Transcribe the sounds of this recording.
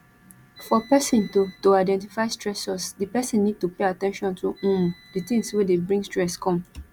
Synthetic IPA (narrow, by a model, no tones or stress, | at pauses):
fɔpɛsĩntotoaɪdɛ̃ntifaɪstɹɛsɔsdipɛsĩnːid̚tupeatɛ̃nʃɔ̃ntuũmditĩmswedebɹĩŋstɹɛskʰɔ̃m